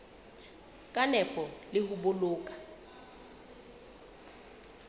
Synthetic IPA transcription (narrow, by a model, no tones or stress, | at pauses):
kʼanɛpʼɔlɪhuboloːkʼa